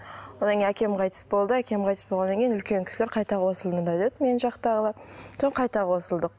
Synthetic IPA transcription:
wonɑŋkʲejnækʲe̞mqʰɑjt̪ə̥sbo̞lˠd̪əækʲe̞mqʰɑjt̪ə̥sbolʁɑnɑŋʲkʲejinʏlkʲe̞ŋkʲʰɪ̥sɪleɾqʰɑjt̪ɑwo̞səlˠd̪ənd̪ɑd̪e̞d̪ɪmenʒɑqt̪ɑʁəlˠɑt̪ʰɪqʰɑjt̪ɑʁwo̞səlˠd̪əq̚

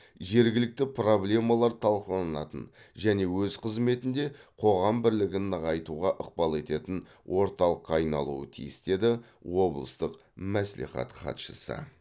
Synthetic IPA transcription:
ʒe̞ɾɡʲɪlɪk̚t̪ɪpro̞blʲe̞mɑlˠɑɾt̪ʰɑlˠqəlˠɑnɑt̪ən | ʒæne̞wɵzqʰəzme̞t̪ɪnd̪e̞qʰo̞ʁɑmbɪɾlɪɡʲɪnʁɑjt̪uʁɑʔəq̚bɑlˠe̞t̪e̞t̪ɪn | wʔo̞ɾt̪ɑlˠəqːɑːjnɑ̰lˠṵə̰t̪ʰḭjɪst̪e̞d̪ɪ | wo̞blˠəst̪əq | mæslḭχɑ̰t̪χɑ̰t̪ʃəsə̰

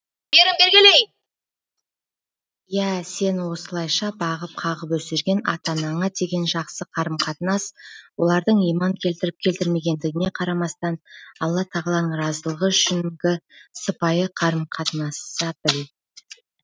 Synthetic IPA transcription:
beɾɪmbeɾɡʲɪlej | jæse̞nwo̞səlˠɑjʃɑbɑʁəp̚qʰɑʁəpwɵseɾɡʲe̞nɑ̰t̪ɑnɑɴɑd̪e̞ɡʲe̞nʒɑqsəqʰɑɾəmqʰɑt̪ənɑswo̞lˠɑɾd̪əɴijmɑŋkʲʰe̞lt̪ɪɾɪp̚kʲʰe̞lt̪ɪɾme̞ɡʲe̞nd̪ɪɡʲɪne̞qʰɑɾɑmɑst̪ɑnɑlˠːɑt̪ʰɑʁəlˠɑnəɴɾɑzəlˠəʁəʃɪnɡʲɪsəpɑjəqʰɑɾəmqʰɑt̪ənɑsɑb̪ɪl

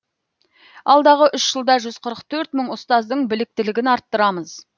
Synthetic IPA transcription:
ɑlˠd̪ɑʁəʔʏʃʒ̥əlˠd̪ɑʒʏz̥qʰəɾəqt̪ʰɵɾt̪məɴʊst̪ɑzd̪əɴbɪlɪk̚t̪ɪlɪɡʲɪnɑɾt̪ːəɾɑməz

